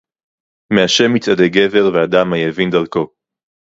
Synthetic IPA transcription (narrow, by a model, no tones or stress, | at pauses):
meaʃe̞mit͡sad̪eɡe̞ve̞ʁvead̪amajevind̪alko̞